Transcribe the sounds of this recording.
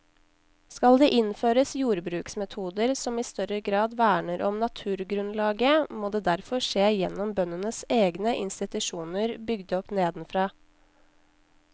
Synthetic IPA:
skɑld̪eːʔɪnføːɾəsjuːɾbɾʉːksmɛt̪ʰuːd̪əɾsɔmiːst̪œɾəɡɾɑːd̪ʋæːɳəɾʔɔmnɑt̪ʰʉːɾɡɾʉnlɑːɡəmoːd̪eːd̪æɾfɔʂeːjɛnːɔmbœnənəseːɡnəʔɪnst̪ɪt̪ʉʂuːnəɾbʏɡd̪əɔpneːd̪n̩fɾɑː

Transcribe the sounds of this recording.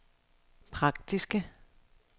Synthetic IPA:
pʰʁɑ̈ɡ̥̚d̥isɡ̥ə

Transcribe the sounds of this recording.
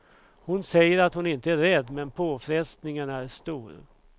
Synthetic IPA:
hʊnsɛjːəɾat̪hʊnɪnt̪əæɾɛd̪ːmɛnpʰoːfɾɛst̪nɪŋənæɾʂt̪uːɾ

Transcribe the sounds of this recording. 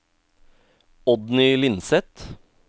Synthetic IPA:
ɔd̪nʏlɪnsɛt̪

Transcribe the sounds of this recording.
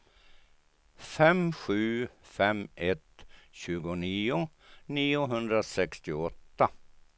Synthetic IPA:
fɛmɧʉ̟ːfɛmʔɛt̪ɕʉ̟ːɡʊniːʊ | niːʊɦɵnd̪ɾasɛkst̪ɪɔt̪ːa

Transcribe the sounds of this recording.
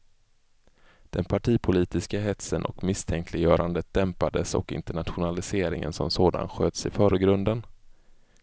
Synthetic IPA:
d̪̥ɛnpʰaʈʰiːpʰʊliːt̪ɪskaɦɛt̪sənʔɔ̰kmɪst̪ʰɛŋk̪ʰlɪjœːɾʔand̪ət̪̚d̪̥ɛmpad̪əsɔ̰kɪ̰nt̪əɳat̪ɧʊnalɪseːɾɪ̰ŋə̰nsɔ̰msoːd̪a̰nɧøːt̪sɪfœːɾəɡɾɵnd̪ən

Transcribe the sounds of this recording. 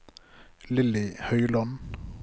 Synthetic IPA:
lɪlɪhœʏlɑn

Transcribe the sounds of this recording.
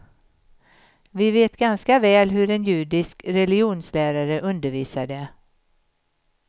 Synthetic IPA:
vɪveːt̪ɡanskavɛːlɦɵɾɛnjʉ̟ːɖɪskɾɛlɪɪuːnslæːɾaɾəʔɵnd̪əɾviːsaɖ̪ɛ

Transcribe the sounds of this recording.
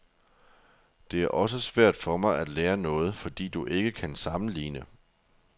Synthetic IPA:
d̥e̝æɐʔɒ̽s̬əsʋæɐ̰d̥fɒ̽mɑ̈ɪæd̥leːɐnɔ̽ːð̞̩ˠfɒ̽d̥ḭːd̥uʔe̝ɡ̥əkʰænsɑ̈məliːnə

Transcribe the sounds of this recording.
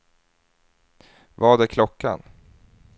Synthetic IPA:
vaːɖ̪ɛkʰlɔkʰːa̰n

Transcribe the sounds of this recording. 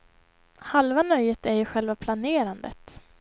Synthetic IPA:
halvanœjːət̪æɾjɵɧɛlvapʰlaneːɾand̪ə̰t̪

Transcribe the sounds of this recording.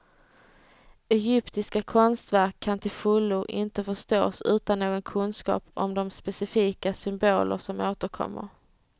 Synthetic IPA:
ɛjʏpt̪ɪskakʰɔnst̪væɾkʰːant̪ʰɪlfɵlːʊʔɪnt̪əfœʂt̪oːsʉ̟ːt̪anːoːɡɔnkʰɵnskɑ̰ːpɔ̰md̪ɔmspɛsɪfiːkasʏmboːlʔə̰ʂɔmoːt̪əɾkʰɔ̰mːə̰ɾ

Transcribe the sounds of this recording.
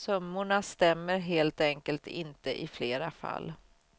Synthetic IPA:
sɵmːʊɳast̪ɛmːəɾɦeːlt̪ɛŋkəlt̪ʰɪ̰nt̪əʔɪfleːɾafa̰lː

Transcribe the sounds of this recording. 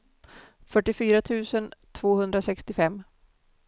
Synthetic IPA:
fœʈːɪfyːɾat̪ʰʉ̟ːsənt̪ʰv̥oːhɵnd̪ɾasɛkst̪ɪfɛmː

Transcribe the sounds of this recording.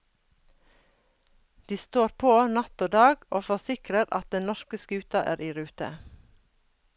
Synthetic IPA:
d̪̥iːst̪oːɾpʰoːnɑt̪oːd̪ɑːɡoːfɔsɪkɾəɾɑ̰t̪̚d̪ɛnnɔʃkəskʉːt̪ɑʔæːɾiːɾʉːt̪ə̰

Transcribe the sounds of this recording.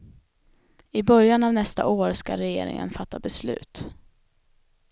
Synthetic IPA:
ɪbœɾjanavnɛst̪a̰ʔoːɾskaɾɛjḛːɾɪ̰ŋə̰nfat̪ːabɛslʉ̟ːt̪

